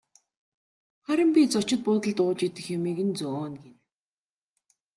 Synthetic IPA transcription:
χæɾʲɪ̆mpʲit͡sɔt͡ɕɪ̆t̪̚pʊːt̪ə̆ɮt̪ʊːt͡ɕit̪ɘ̆xjʊmiːɣɘ̆nt͡sɔːnɡen

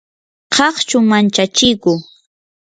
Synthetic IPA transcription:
qʰɑχt͡ʃʊmant͡ʃat͡ʃɪjkʊ

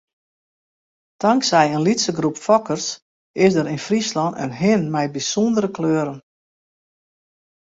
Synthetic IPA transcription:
d̥ɑŋksɛjənlitsəɡrupfɔkərs | ɪsdəɾinfrislɔnə̰nɦɪnmɛjbisondəɾəkløːɾən

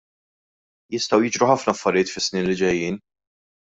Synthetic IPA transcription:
jɪst̪ɐwjɪːd͡ʒɾuħɐfnɐɐfːɐɾɪjɪːt̪fɪsːniːnlid͡ʒɛjːiːn

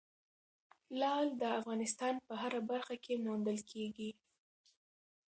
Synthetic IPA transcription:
lɑld̪əafɣɑnɪst̪ɑnpəɦaɾabaɾxakʰemand̪əlkʰeɡi

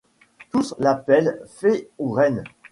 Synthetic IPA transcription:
t̪uslapɛlfeoʁɛn

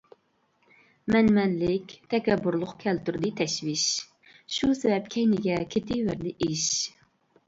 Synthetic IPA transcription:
mɛnmɛnlɪkʲt̪ʰɛkʲɛbːuɾlˠʊqkʲʰɛlt̪yɾd̪ɪt̪ʰɛʃvɪʃ | ʃusɛvɛpkʲʰɛjnɪɡʲɛkʲʰet̪ʰɪvæɾd̪ɪʔiʃ

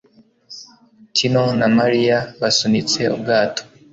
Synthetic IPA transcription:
tʰinonamaɾijaβasunit͡se̞ṵb̚ɡaːtʰo̥

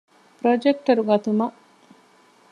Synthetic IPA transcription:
pɾod͡ʒek̚ʈɐɾuɡɐt̪umɐʔ

